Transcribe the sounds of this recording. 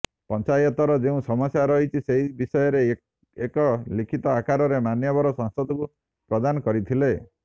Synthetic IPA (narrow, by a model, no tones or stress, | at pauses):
pɔnt͡ʃajɔt̪ɔɾɔd͡ʒeũsɔmɔsjaɾɔɦit͡ʃʰiseɦibisɔjɔɾe | ekɔlikʰit̪ɔakaɾɔɾemanjɔbɔɾɔsɔ̃ŋsɔt̪ɔku | pɾɔd̪anɔkɔɾit̪ʰile